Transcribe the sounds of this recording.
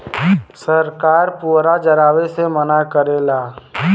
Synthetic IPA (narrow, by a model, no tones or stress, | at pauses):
səɾkaːɾpuːɾad͡ʒəɾaːʋesemənakəɾeːlaː